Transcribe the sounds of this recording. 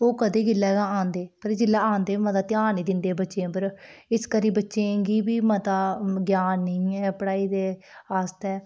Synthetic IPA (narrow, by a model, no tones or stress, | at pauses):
oːkəd̪eːɡɪlːaːɡãːãːnd̪eːpəɾd͡ʒɪlːaːaːnd̪eːmət̪aːt̪ɪjaːniːd̪ɪnd̪eːbətːʃẽːpəɾ | ɪskəɾiːbətːʃẽːɡiːbiːmət̪aːɡjaːnːəĩːɛːpəɽaːiːd̪eː | aːst̪ɛː